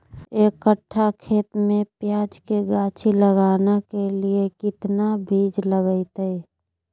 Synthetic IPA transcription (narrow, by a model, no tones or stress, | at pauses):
ekəʈʰːakʰeːt̪mẽpjaːd͡ʒkeɡaːt͡ʃʰiləɡaːnakeliekɪt̪nabʱiːd͡ʒləɡəɪt̪e